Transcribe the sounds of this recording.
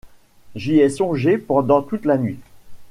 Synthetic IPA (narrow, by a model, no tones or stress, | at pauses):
ʒiɛsɔ̃ʒepɑ̃d̪ɑ̃t̪ut̪lanɥi